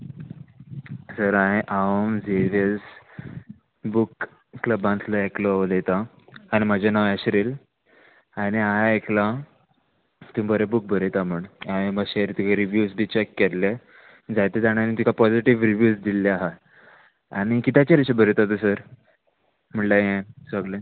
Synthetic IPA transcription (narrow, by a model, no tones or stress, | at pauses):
səɾãeʔaomd͡zeʋes | buk | kləbãnt̪ʰləeklɔlet̪aː | ñimad͡ʑʱanaʋaɕɾil | aɽ̃iaekla | t̪umbəɾebuk̚bʱəɾet̪aməɳaɦebaɕeɾit̪ikaɾiʋjusbʱit͡ɕekːeɾle | d͡zajt̪ed͡zaɽ̃anĩt̪ikapɔd͡ziʈiʋɾiʋjuːsd̪ilːeaɦa | aɽ̃ikit̪ʰjat͡ɕaɾiɕebʱəɾet̪at̪̬usəɾ | m̤əɳlaãsəɡlẽ